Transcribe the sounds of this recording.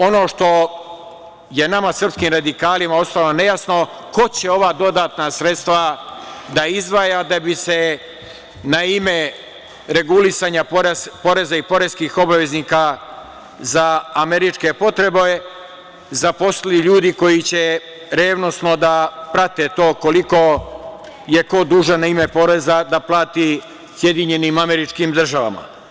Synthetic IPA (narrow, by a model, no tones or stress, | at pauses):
o̞no̞ːʃt̪o̞ | je̞namasr̩pskiːmɾad̪ikaːlimao̞st̪alo̞ne̞jasno̞ | ko̞t͡ɕe̞o̞ʋaːd̪o̞d̪aːt̪nasɾe̞t̪st̪ʋad̪aizʋajad̪abise̞ | naime̞ | ɾe̞ɡulisaːɲapoɾpo̞ɾe̞zaipo̞ɾeskiːxo̞baʋe̞zniːka | zaːme̞ɾit͡ʃke̞po̞t̪ɾe̞bo | zapo̞st̪iliʎuːd̪iko̞jit͡ɕe | ɾe̞ːʋno̞sno̞d̪apɾat̪e̞t̪o̞ːko̞liko̞ | je̞ko̞d̪uːʒanaime̞po̞ɾe̞zad̪aplaːt̪i | sje̞d̪iɲe̞nimame̞ɾit͡ʃkimd̪r̩ʒaʋa̰ma̰